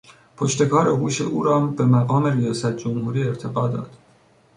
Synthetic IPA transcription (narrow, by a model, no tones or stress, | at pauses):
pʰoʃt̪e̞kʰɒːɾe̞ɦuːʃe̞ʔuːɾɒːmbe̞mæɣɒːme̞ɾijɒːsæt̪̚ʰd͡ʒomhuːɾiːe̞ɾt̪ʰe̞ɡɒːd̪ɒ̰ːd̪̥